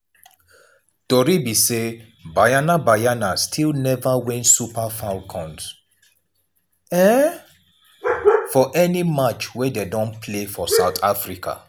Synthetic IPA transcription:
d̥ɔɹibise | bajanabajanastʰilnɛvawɛ̃nsupafalkʰɔ̃ns | ɛ | fɔʔɛnimat͡ʃwɛdedɔ̃npʰlefɔsaʊtʰafɹikʰa̰

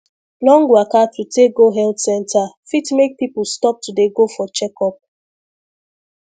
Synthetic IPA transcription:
lɔ̃ŋɡwakatʰuteɡoɦɛltsɛ̃ntʰafitmek̚pipulstɔp̚tudeɡofɔt͡ʃɛkɔp̚

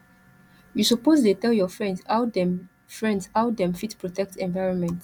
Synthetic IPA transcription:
jusɔpozdetɛljɔfɹɛ̃ndshawd | fɹɛ̃ndshaʊdɛ̃mfitpɹɔtɛk̚tɛ̃nvajɹɔ̃nmɛ̃nt

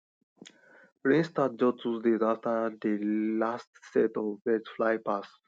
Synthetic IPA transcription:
pɾĩnst̪at̚d͡ʒɔtusdezaftəd̪elastsɛtɔvbɛd͡ʒflajpas

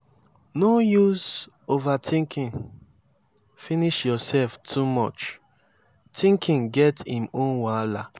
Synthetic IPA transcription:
nojuz | ovatʰĩŋkʰĩn | finiʃjɔsɛlftʰumɔt͡ʃ | tʰĩŋkʰĩŋɡɛtĩmõnwala

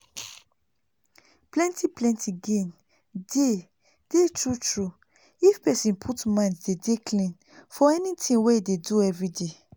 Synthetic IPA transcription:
plɛ̃ntiplɛ̃ntʰiɡẽn | de | d̥etɹutɹu | ifpɛsĩnpʰutmãndedekʰlĩn | fɔɛnitʰĩnweideduɛvɹide

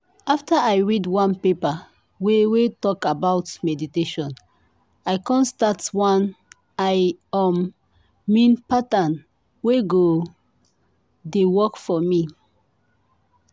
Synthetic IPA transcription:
aftaajɹidwãnpepa | wewetɔkabawtmɛditeʃɔ̃n | ajkɔ̃nstatwãn | ajɔmː | ĩnpatãn | weɡo | dewɔkfɔmi

